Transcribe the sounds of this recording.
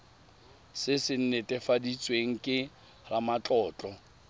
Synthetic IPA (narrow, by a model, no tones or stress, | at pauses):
sɪsɪn̩nɛtʼɛfadit͡sʼweŋ̩kʼɪ | ramat͡ɬʼɔːt͡ɬʼɔ